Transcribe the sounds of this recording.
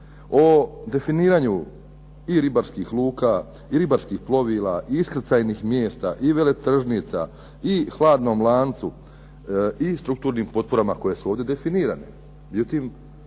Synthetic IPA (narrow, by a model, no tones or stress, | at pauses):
od̪e̞finiːɾaɲu | iɾibaɾskixlˠuːka | iɾibaɾskixplo̞ʋiːlˠaʔiːskɾ̩t̪saːjniːxmjeːst̪aʔiʋe̞le̞t̪r̩ʒnit̪sa̰ | ixlˠaːd̪nomlˠaːnt̪su | ist̪ɾuk̚t̪uːɾniːmpo̞t̪̚poɾamako̞je̞suoːʋd̪e̞d̪e̞finiːɾanḛ | med͡ʑuːt̪iːm